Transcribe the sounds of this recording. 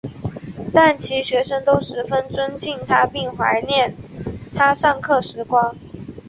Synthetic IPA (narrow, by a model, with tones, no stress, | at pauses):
t̪a˥˩nt͡ɕʰi˧˥ɕɥɛ˧˥ʂə˥ŋt̪o˥ʊʂɻ̩˧˥fə˥nt͡swə˥nt͡ɕi˥˩nt̪ʰa˥pi˥˩ŋxwa˧˥ɪnjɛ˥˩nt̪ʰa˥ʂɑ˥˧ŋkʰɤ˥˩ʂɻ̩˧˥kwɑ˥ŋ